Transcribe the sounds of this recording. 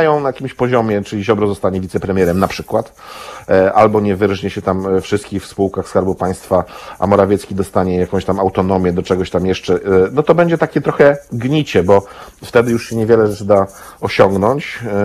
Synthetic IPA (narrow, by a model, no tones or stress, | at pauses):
ajɔ̃w̃najakʲimɕpɔʑɔmʲjɛt͡ʂɘlʲiʑɔbɾɔzɔst̪aɲɛvʲit̪sɛpɾɛmʲjɛɾɛmnapʂɘkwat̪ | ʔalbɔɲɛvɘɾʐɲɛɕɛt̪amfʂɘst̪kʲixfspuwkaxskaɾbupaj̃st̪faʔa̰mɔɾavʲjɛt̪skʲid̪ɔst̪aɲɛjakɔ̃w̃ɕt̪amawt̪ɔnɔmʲjɛd̪ɔt͡ʂɛɡɔɕt̪amjɛʂt͡ʂɛnɔt̪ɔbɛɲd͡ʑɛt̪akʲɛt̪ɾɔxɛɡɲit͡ɕɛbɔft̪ɛd̪ɘjuʂɕɛɲɛvʲjɛlɛʐɛt͡ʂɘd̪a | ɔɕɔŋɡnɔɲt͡ɕ